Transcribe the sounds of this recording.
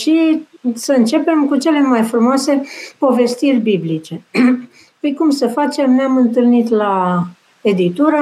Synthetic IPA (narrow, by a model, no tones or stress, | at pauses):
ʃisəɨnt͡ʃe̞pe̞mkut͡ʃe̞le̞majfɾumoase̞po̞ve̞st̪irʲbiblit͡ʃe̞ | pɨjkumsəfat͡ʃe̞mneamɨnt̪ɨlnit̪la | e̞d̪it̪uɾa